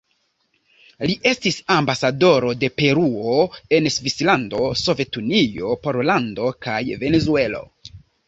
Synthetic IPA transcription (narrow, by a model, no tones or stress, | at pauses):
liʔe̞stisambasado̞ɾo̞de̞pe̞ɾuoe̞nsvislando̞so̞ve̞tunijo̞poɾlando̞kajve̞nezue̞lo̞̰